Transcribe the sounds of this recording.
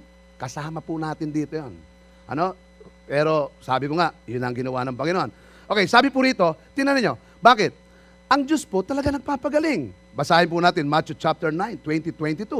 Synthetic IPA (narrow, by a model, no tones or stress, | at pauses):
kɐsaːmɐpʊnaːt̪ɪnd̪iːt̪ojon | ʔɐ̰no̞ | pɛːɾo̞sa̰ːbɪkoŋaʔjʊnːɐŋɡɪnɐwanɐŋpɐŋɪnoʔon | ʔokɛjsaːbɪpʊɾiːt̪o̞t̪ɪnɐnɪɲo̞ | baːkɪt̪̚ | ʔɐŋd͡ʒospʊt̪ɐlɐɡanɐɡ̚paːpɐɡɐlɪŋ | bɐsaːhɪnp̬unaːt̪ɪnmat͡ʃʊt͡ʃap̚t̪ɛɹnajnt̪wɛnt̪it̪wɛnt̪it̪u